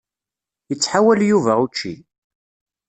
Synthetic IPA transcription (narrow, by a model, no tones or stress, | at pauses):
jət͡sːħawæljuvæut͡ʃːḭ